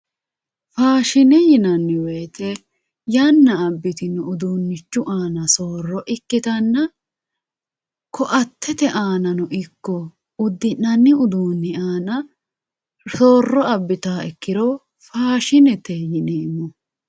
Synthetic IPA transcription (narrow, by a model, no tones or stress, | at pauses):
faːʃɪnɛjɪnɐnːɪweːt̪ɛ | jɐnːɐːbːɪt̪ɪnɛʊd̪uːnːɪt͡ʃːʊʔaːnɐsoːrːɔʔɪkːɪt̪ɐnːɐ | kʰɔʔɐt̪ːɛt̪ɛʔaːnɐnɔʔɪkːɔ | ʊd̪ːɪnɐnːɪʊd̪uːnːɪaːnɐ | soːrːɔɐbːɪt̪aːɛkːɪɾɔ | faːʃɪnɛt̪ɛjɪnemːɔ